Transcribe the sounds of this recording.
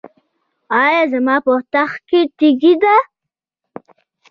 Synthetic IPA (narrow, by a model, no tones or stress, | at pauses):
ɑjɑzəmɑpoht̪axket̪iɡid̪a